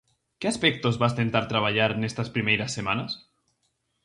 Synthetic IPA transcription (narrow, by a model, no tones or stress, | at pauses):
keaspɛk̚t̪ozβast̪ent̪aɾt̪ɾaβ̞aʎaɾnest̪aspɾimejɾasːemanas